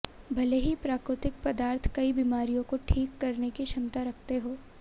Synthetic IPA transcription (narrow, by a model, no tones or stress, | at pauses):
bʱɐleɦipɾaːkɾɪt̪ɪk̚pɐd̪aːɾt̪ʰkɐibiːmaːɾijõkoʈʰiːkːɐɾnekiʃɐmt̪aɾɐk̚ʰt̪eɦoː